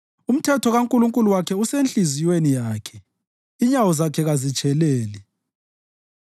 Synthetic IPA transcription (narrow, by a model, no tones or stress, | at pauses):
um̩tʰɛtʰɔɣaŋkʼuluŋkʼuluwakʰɛusent͡ɬʼizijwenijaːkʰɛ̥ | iɲawɔzakʰɛɣazit͡ʃʼʰɛlɛːli